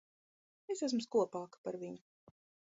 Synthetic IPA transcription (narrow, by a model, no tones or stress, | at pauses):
esæs̬mʊskuɔpaːkḁpaɾvʲiɲʊ